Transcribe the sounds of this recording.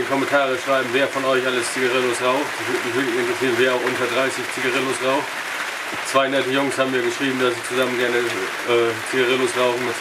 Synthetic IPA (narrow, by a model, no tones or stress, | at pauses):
kʰɔmɛntʰaːʁəʃʁ̥aɪbm̩veːɐfɔnɔʏçʔaləst͡siɡaʁɪlosʁaʊxtaçvɪɐmɪçvɪɐklɪçɪntʁ̥əsiːʁənveːɐaʊxʔʊntɐdʁaɪsɪçt͡siɡaʁɪlosʁaʊxt | t͡sv̥aɪnɛtəjʊŋshaːbm̩iːɐɡəʃʁ̥iːbm̩dasz̥iːt͡suzamənɡɛɐnə | ʔɛːt͡siɡaʁɪlosʁaʊxn̩mœs